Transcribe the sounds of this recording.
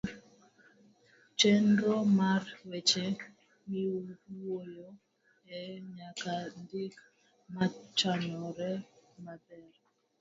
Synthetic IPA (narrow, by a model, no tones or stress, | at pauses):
t͡ʃendomarwet͡ʃe | miwojo | ɛɲakandik | mat͡ʃaɲɔɾɛmabɛr